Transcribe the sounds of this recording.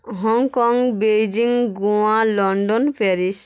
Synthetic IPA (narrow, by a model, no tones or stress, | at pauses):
ɦɔŋkɔŋbejd͡ʒiŋɡualɔɳɖɔnpʰeɾis